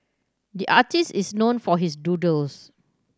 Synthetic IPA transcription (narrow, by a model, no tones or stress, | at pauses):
diʔa̰tisisnõnfɔɦisdudəls